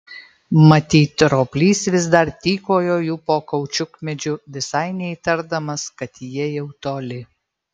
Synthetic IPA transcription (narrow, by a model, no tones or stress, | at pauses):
mɐt̪ʲiːt̪ɾoːpʲlʲiːsʋʲɪzd̪ɐɾt̪ʲiːkoːjoːjuːpoːkɐʊt͡ʃʲʊkmʲɛd͡ʒʲʊʋʲɪsɐɪnʲɛit̪ɐɾd̪ɐmɐskɐt̪jiɛjɛʊt̪oːlʲɪ